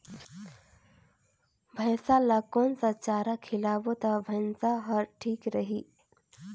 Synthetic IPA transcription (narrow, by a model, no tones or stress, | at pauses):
bʱəjsalakoːnsat͡ʃaːɾakʰɪlaːbot̪abʱɐnsaɦəɾʈʰiːkɾəɦiː